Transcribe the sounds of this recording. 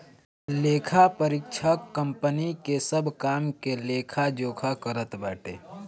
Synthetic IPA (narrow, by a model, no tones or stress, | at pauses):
leːkʰapəɾɪkʃʰakə̃mpənikesəbʱkaːmkeleːkʰad͡ʒoːkʰakəɾət̪baːʈḛː